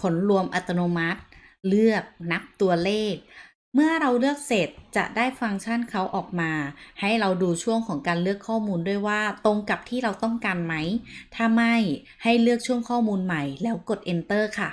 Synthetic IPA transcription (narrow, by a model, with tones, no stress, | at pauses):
kʰo˩˦nɾu˧əmʔa˨˩t̪a˧noː˧ma˦˥t̪̚ | lɯ˥˩ək̚na˦˥p̚t̪u˧ɐleː˥˩k̚ | mɯ˥˩ɐəɾa˧wlɯ˥˩ək̚se˨˩t̪̚t͡ɕa̰˨˩ʔdaː˥˩jfa˧ŋt͡ɕʰa˥˩nkʰa˦˥wʔɔː˨˩k̚maː˧ha˥˩jɾa˧wduː˧t͡ɕʰu˥˩əŋkʰɔː˩˦ŋkaː˧nlɯ˥˩əkʰːɔː˥˩muː˧ndu˥˩əjwaː˥˩t̪o˧ŋka˨˩p̚t̪ʰiː˥˩ɾa˧wt̪ɔ˥˩ŋkaː˧nma˦˥jt̪ʰa˧ma˥˩j | ha˥˩jlɯ˥˩ək̚t͡ɕʰu˥˩əŋkʰɔː˥˩muː˧nma˨˩jlɛː˦˥wko˨˩t̪̚ʔe˧nt̪ɤː˥˩kʰa˥˩